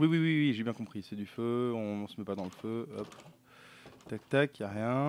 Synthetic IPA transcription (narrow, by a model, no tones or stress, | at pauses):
wiwiwiwiʒebjɛ̃kɔ̃pχisɛd̪yføɔ̃nsəmɛpad̪ɑ̃ləføɔp | t̪ak̚t̪akjaʁjɛ̃